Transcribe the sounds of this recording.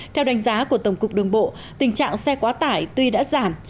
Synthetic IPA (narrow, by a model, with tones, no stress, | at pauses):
t̪ʰɛ˧wɗa˨˦ŋ̟zaː˨˦ku˧˩ət̪ə˧˩wŋ͡mkʊ˨˩k͡p̚ɗɨ˨˩əŋɓo̰˧˨ | t̪ï˨˩ŋ̟t͡ɕa̰ː˧˨ŋsɛ˧kwaː˨˦t̪aː˧˩jt̪wi˧ɗa̰ː˧˥zaː˧˩m